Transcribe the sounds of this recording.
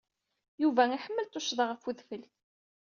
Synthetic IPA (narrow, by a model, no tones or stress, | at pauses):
juvæiħəmːəlt̪ʊʃðˤəʁəfuðfəlθ